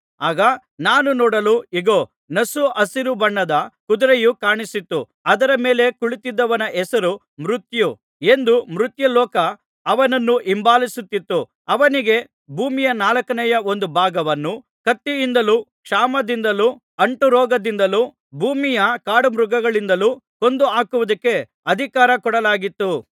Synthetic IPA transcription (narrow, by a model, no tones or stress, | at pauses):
aːɡɐ | naːnunɔːɽɐluiɡoː | nɐsuʔɐsiɾubɐɳːɐd̪ɐkud̪ɾejukaːɳisit̪ːu | ɐd̪ɐɾɐme̞ːle̞kuɭit̪id̪ːɐʋɐnɐʔɛsɐɾu | mɾut̪ju | e̞nd̪umɾut̪jɐlɔːkɐː | ʋɐnɐnːuʔimbaːlisut̪ːit̪ːu | ɐʋɐniɡe̞ | bʱuːmijɐnaːlɐkɐnɛjɐo̞nd̪ubʱaːɡɐʋɐnːu | kɐt̪ːiind̪ɐluːkʂaːmɐd̪ind̪ɐluː | ɐɳʈuɾɔːɡɐd̪ind̪ɐluː | bʱuːmijɐkaːɽumɾuɡɐɡɐɭind̪ɐluːko̞nd̪uaːkuʋud̪ɐkːe̞ | ɐd̪ʱikaːɾɐkɔɽɐlaːɡit̪ːu